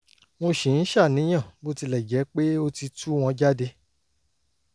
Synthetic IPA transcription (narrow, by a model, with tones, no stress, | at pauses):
w̃o˧ʃĩ˨n̩˦ʃa˦˨nĩ˨˦j̃ã˦˨bo˦˧ti˧lɛ˨d͡ʒɛ˨˦k͡pe˦o˧ti˧tu˦w̃ɔ̃˧d͡ʒa˦de˧